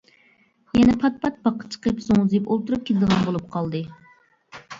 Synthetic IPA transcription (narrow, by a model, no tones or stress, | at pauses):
jɛnɛpʰɑt̪̚pʰɑt̪̚b̥ɑqʰə̥t͡ʃʰə̥qəpzoŋzipolˠt̪uɾup̚kʲʰelɪd̪əʁɑnbolˠup̚qʰɑlˠd̪ɨ